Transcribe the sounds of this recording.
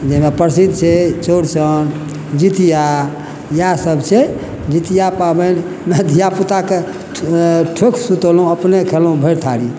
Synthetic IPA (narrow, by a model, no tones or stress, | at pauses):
d͡ʒemepəɾsid̪ʱt͡ʃʰet͡ʃoɽt͡ʃʰən | d͡ʒit̪ija | jasəbt͡ʃʰe | d͡ʒit̪ijapabən | med̪ʱijaput̪ake | ʈʰokʰsut̪olɦũəpnekʰelũbʱəjɾt̪ʰaɾi